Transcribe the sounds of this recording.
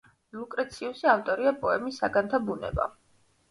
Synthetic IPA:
lukʼɾɛt̪sʰiusiaft̪ʼɔɾiapʼɔɛmisːaɡant̪ʰabunɛ̰ba̰

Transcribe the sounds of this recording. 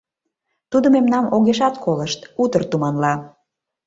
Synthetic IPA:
t̪ud̪omemnɑmoɣeʃɑt̪kʰoləʃt̪ut̪ərt̪umɑnlɑ

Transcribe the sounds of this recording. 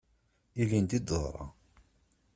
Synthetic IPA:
ilind̪id̪ə̰ðˤɾˤɑ̰

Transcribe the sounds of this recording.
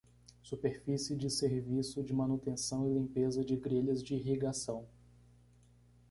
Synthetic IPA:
supeɾfisɪd͡ʒɪseɾvisʊd͡ʒɪmɐ̃nut̪ẽsɐ̃w̃ɪlĩmpezɐd͡ʒɪɡɾeʎɐzd͡ʒɪiɦiɡasɐ̃w̃

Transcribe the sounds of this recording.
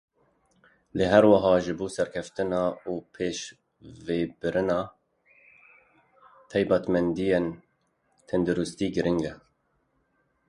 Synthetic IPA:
leɦɛɾwɑɦɑːʒɨboːsɛɾkʲʰɛft̪ɨnɑːuːpʰeːʃ | veːbɨɾɨnɑː | t̪ʰɑjbɑːt̪mɛnd̪ijen | t̪ʰɛnd̪uɾust̪iːɡɨɾʔɪŋɡɛ

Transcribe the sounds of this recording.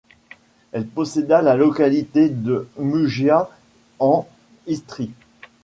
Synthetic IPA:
ɛlpɔsed̪alalɔkalit̪ed̪əmyʒja | ɑ̃ | ist̪χi

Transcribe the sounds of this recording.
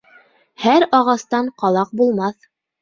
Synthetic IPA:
hæɾɑʁɑst̪ɑɴqɑlˠɑq̚bulˠmɑθ

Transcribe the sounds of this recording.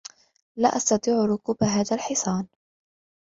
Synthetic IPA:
laːʔɑst̪ɑt̪ˤiːʕɾʊkuːbaɦaːðalħɪsˤɑːn

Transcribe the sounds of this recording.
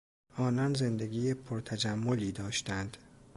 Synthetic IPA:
ʔɒːnɒnze̞nd̪e̞ɡʲiːjepʰoɾt̪ʰæd͡ʒæmːoliːd̪ɒːʃt̪ænd̪̥

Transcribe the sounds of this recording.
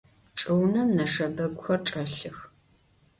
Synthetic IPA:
ʈ͡ʂʼɨwnɐmnɐʂɐbɐɡʷʊxɐrʈ͡ʂʼɐɬɨx

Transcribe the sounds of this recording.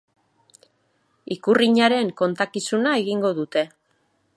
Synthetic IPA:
ikuriɲaɾe̞ŋko̞nt̪akisunae̞ɣiŋɡo̞ðut̪e̞

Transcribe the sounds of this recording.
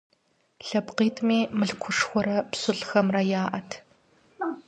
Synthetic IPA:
ɬɐpqiːtʰmiːmɨɬkʷʰʊʂxʷɔɾɐpsʊɮxɐmrɐjaːʔɐtʰ

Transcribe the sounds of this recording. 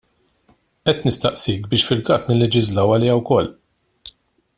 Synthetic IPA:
ʔɛt̪ːnɪst̪ɐʔsiːkbɪːʃfɪlkɐːsnɪlːɛd͡ʒɪzlɐwɐlɛːjɐwkɔlː

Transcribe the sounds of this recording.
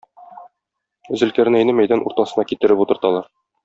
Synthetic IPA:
zɘ̆lkæɾnæjnɘmæjd̪ænʔṵɾt̪ɑsɤ̆nɑkit̪ɘ̆ɾɘput̪ɤ̆ɾt̪ɑlˠɑɾ

